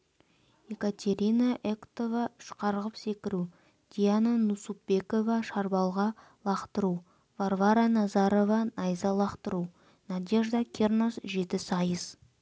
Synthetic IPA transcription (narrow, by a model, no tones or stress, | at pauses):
je̞kat̪ʲe̞ɾʲinaʔekt̪o̞vɑʏʃqɑɾʁəpse̞kʲɪɾu | d̪̥ʲijanənusupbe̞ko̞vɑʃɑɾbɑlˠʁɑ | lˠɑqt̪əɾu | varvaɾanɑzɑɾo̞vɑnɑjzɑlˠɑqt̪əɾu | næd̪ʲe̞ʒd̪ɑkʲʰe̞rnosʒe̞t̪ɪsɑjəz